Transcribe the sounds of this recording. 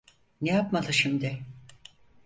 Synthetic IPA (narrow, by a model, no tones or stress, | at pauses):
nejapmad̪ɯʃimd̪ɪ